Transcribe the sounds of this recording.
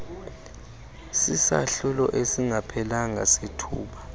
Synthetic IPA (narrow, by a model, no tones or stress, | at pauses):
sisa̰ɬulɔ̰ʔesiŋʱapʰɛlaŋʱasetʰuːɓa